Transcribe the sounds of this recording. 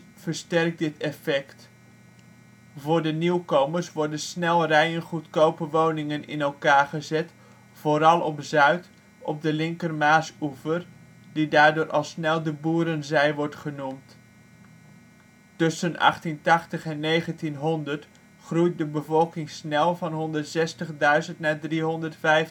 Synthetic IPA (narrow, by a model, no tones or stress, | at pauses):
v̥əɹstɛrk̚dɪtɛfɛkt | vʊːɹdəniwkowməɹsʋɔɹdənsnɛlˠrɛjənχutkowpəʋownɪŋənɪ̰nɛlˠkaːɹχəzɛt | foːɾɑlˠɔpzœɥt | ɔb̚dəlɪŋkərmaːsuvər | didaːɹdʊːɾʔɑlˠsnɛlˠdəbuːɾənzɛjʋɔɹtχənumt | tɵsənɑ̰χtintɑχtəχɛnːejχəntinɦɔndəɹt | χrujt̚dəbəvɔlˠkɪŋsnɛlˠvɑnɦɔndəɹtsɛstəχdœɥzəntnaːdriɦɔndəɹtfɛjf